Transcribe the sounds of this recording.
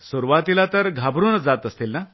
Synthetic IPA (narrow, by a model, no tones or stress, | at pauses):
suɾʋat̪ilat̪əɾɡʱabɾunəd͡zat̪əst̪ilna